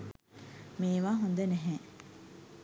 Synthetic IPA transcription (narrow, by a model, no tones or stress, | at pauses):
miːʋaːɦund̪eneɦẽ